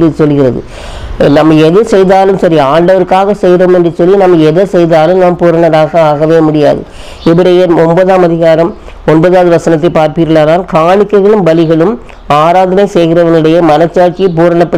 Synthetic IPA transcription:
ɯsɔlːɣɪrɐðɯ̰ | nɐmːɐɛðɯsɛjðaːlɯmsɐɾiaːɳɖɐʋɐɾkaːɣɐsɛjɾoːmɛndrɯsɔlːinɐmːɐɛðɐsɛjðaːlɯmnaːmpuːɾɐɳɐɾaːɣɐaːɣɐʋeːmʊɽɪja̰ːðɯ̰ | ɪʋɐɽɐjeɾɔmbɐðaːmɐðɪɣaːɾɐm | ɔnbɐðaːðɯʋɐsɐnɐt̪ːɐɪpaːɾpɾɯlːaːnaːlkaːɳɪkːɐɪɣɐɭɯmbɐlɪɣɐɭɯm | aːɾaːðɐnɐɪsɛjɣɪɾɐʋɐnɯɽɐjɐmɐnɐt͡ʃːaːt͡ʃɪp̬uːɾɐɳɐpːɐ

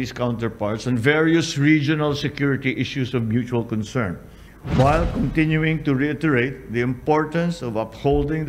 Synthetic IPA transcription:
iskãʊ̃nt̪ɛɹpɑɹt̪sɛ̃nvɛɹiʊsɹid͡ʒɔnalsɛkjuɹɪt̪iʔɪʃusɔvmjut͡ʃualkɔ̃nsɛɹn | wajlkɔ̃nt̪ɪ̃njuɪ̃ŋt̪ʊɹiɪt̪ɛɹeɪt̪̚ðiɪ̃mpɔɹt̪ɐ̃nsɔvʌphold̪ɪ̃ŋ

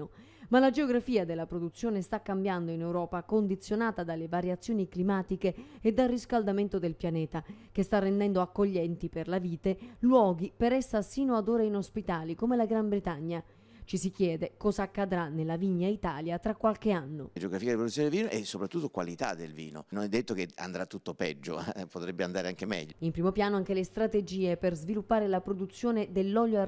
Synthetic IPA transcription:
o | malad͡ʒeoɡɾafiːad̪elːapɾod̪ut̪sːjoːnest̪akːambjand̪oinewɾɔːpakond̪it̪sːjonaːt̪ad̪alːevaɾjat̪sːjoːniklimaːt̪ikeːd̪ːalriskald̪ament̪od̪elpjanɛːt̪akest̪arːend̪ɛnd̪oakːoʎːɛnt̪iperlaviːt̪elwɔːɡipeɾɛsːasiːnoad̪oːɾainospit̪aːlikomelaɡɾambɾet̪aɲːa | t͡ʃisik̟jɛːd̪ekɔːzaːkːad̪ɾanːelːaviɲːait̪aːljat̪ɾakːwalk̟eanːod͡ʒeoɡɾafiːad̪ipɾod̪uːjoned̪elviːnoʔɛsːopɾat̪ːut̪ːokwa̰lit̪a̰d̪ːelvḭːno̰nonɛd̪ːet̪ːokea̰nd̪ɾat̪ːut̪ːopɛ̰d͡ʒːo̰pot̪ɾɛbːeand̪aːɾeaŋk̟emɛ̰ʎːoimpɾiːmopjaːnoaŋk̟elest̪ɾat̪ed͡ʒiːeperzvilupːaːɾelapɾod̪ut̪sːjoːned̪elːɔʎjo

